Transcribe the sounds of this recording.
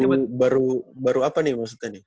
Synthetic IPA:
ubaɾubaɾuapanimaks̬ut̪ani

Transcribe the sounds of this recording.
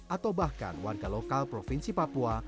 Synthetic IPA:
ʔat̪awbahka̰nwarɡalokalpɾofinsipapua

